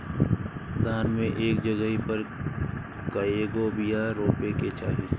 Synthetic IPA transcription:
d̪ʱaːnmẽʔeːk̚d͡ʒəɡəɦipəɾ | kəeːɡobijaɾoːpeket͡ʃaːɦiɾ

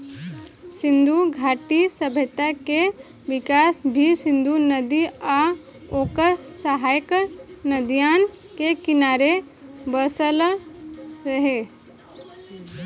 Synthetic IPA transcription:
sɪ̃nd̪ʱuɡʱaːʈisəbʱət̪ake | ʋɪkaːsbʱisɪ̃nd̪ʱunəd̪ia | okəsəɦaːjknəd̪ijaːn | kekɪnaːɾe | bəsəl | ɾɐɦe

